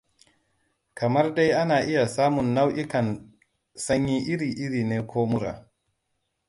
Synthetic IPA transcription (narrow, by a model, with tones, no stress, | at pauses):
kɐ˨mɐ˦rda˦jʔa˦naː˨ʔɪ˦ja˨saː˦mʊ˨nːa˦wʔɪ˦kɐ˨n | sɐ˦ɲjiː˦ʔɪ˦ɾiː˨ʔɪ˦ɾiː˨neː˦kʷoː˦mʊ˦ɾa̰˨